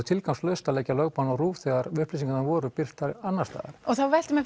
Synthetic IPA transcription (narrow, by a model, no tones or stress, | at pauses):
ʏt̪ʰɪlkawmslœðst̪alɛːjcalœɣpanɔɣruːvθɛɣaɾʏhplis̬iŋkat̪navɔːɾʏpɪr̥t̪aɾanːast̪a̰ːɣ̰ɾɔɣθawvɛjl̥t̪ɪmɛ